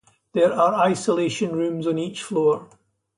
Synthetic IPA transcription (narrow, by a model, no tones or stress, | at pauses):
ðə˞əɹaɪsəlˠeʃə̃nɹʉ̃mzə̃nit͡ʃflˠoɹ